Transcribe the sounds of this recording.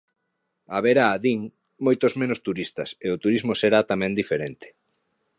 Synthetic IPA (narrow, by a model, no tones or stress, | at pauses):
aβeɾaːðiŋ | mojt̪ozmẽnost̪uɾist̪ɐ̰seot̪uɾizmoseɾat̪amɛ̃nd̪ifeɾent̪ɪ̥